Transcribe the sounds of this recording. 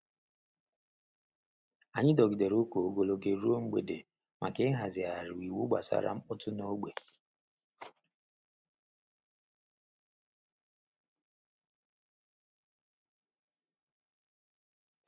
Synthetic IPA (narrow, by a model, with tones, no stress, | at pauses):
a˨ɲɪ˦dɔ˨ɡi˨de˨ɾo˦ko˨o˦ɡo˦˨lo˦ɡe˦ɾu˦o˦ŋ͡m̩˦ɡ͡bḛ˨de˨ | mʔa˨kɪ˦ɦa˨zɪ˨a˨ɾɪ˨wi˨wu˦ɡ͡ba̰˨sa̰˦ɾa̰˦m̩˦ɔ˦tʊ˦no˦ɡ͡be˨